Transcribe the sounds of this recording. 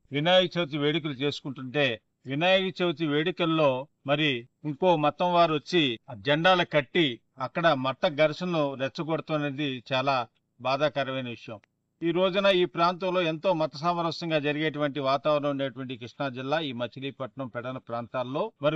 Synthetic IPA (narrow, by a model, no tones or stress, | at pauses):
ʋinaːjɡit͡ʃewt͡ʃiʋeːɽik̬ɐlut͡ʃe̞ːsu̥kuɳʈuɳʈe̞ː | ʋinaːjɡit͡ʃeʋt͡ʃiʋeːɽikɐlːo̞ː | mɐɾiiŋko̞ːmɐt̪ɐmʋaːɾʋɐt͡ʃːid͡ʒɐɳɖaːlɐkɐʈːi | ɐkːɐɽɐmɐt̪ːɐɡɐɾʂɐnɐnuɾɛt͡ʃːɐɡoɽut̪uːnɐːd̪it͡ʃaːlaː | baːd̪aːkɐɾɐʋɐjnɐʋiʂɐjɐm | iːɾo̞ːd͡ʒunɐiːpɾaːnt̪ɐmlo̞ːent̪o̞ːmɐt̪ɐs̬aːmɐɾɐsɐŋɡaːd͡ʒɐɾiɡeːʈuʋɐɳʈiʋaːt̪aːʋɾɐnɐ̃muɳɖeːʈuʋɐɳʈikɾiʂɳaːd͡ʒilːaːiːmɐt͡ʃːiliːpɐʈɐɳɐmpɛɽɐnɐpɾaːnt̪aːlːo̞ːmɐɾi